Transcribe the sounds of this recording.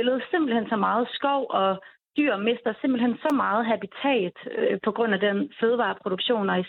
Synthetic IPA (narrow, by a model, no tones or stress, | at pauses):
elð̩ˠse̝mb̥l̩hen̰sɒmɑ̈ːð̩ˠsɡ̥ɒʊ̰ɒ̽ | d̥yɐ̰me̝sd̥ɐse̝mb̥l̩hensɒ̽mɑ̈ːð̞̩ˠɦæb̥it͡sʰɛ̰ːd̥pʰɒ̽ɡ̥ʁɔ̽n̰æd̥enføːð̞ˠʋɑ̈ːpʰʁo̝d̥uɡ̥ɕo̝̰ːnɒ̽i